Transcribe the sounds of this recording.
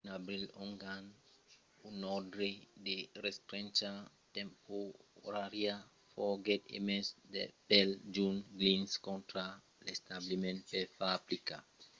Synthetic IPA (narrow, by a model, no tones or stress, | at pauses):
nabɾilɔŋɡan | unɔdɾedeɾɛst̪ɾɛ̃nt͡ʃa | tɛ̃mpoɾaɾja | fɔɡɛtḛmɛsdḛpɛld͡ʒunɡlĩnskɔ̃ntɾa | lest̪ablimɛ̃nt̚pɛfabɾika